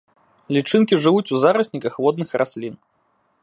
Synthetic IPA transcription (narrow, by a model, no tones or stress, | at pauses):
lʲit͡ʂɨnkʲiʐɨvut͡sʲuzaɾɐsʲnʲikɐxvɔd̪nɨxrʔasʲlʲin